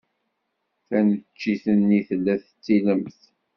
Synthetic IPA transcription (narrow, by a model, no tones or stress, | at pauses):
θænət͡ʃːiθənːiθəlːæθət͡sːiləmθ